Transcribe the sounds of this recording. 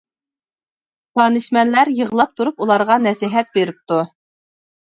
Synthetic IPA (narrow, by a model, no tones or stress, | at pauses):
t̪ʰɑnɨʃmɛnlæɾjəʁlˠɑp̚t̪ʰuɾupulˠɑɾʁɑnɛsiɦɛt̪̚beɾɪp̚t̪u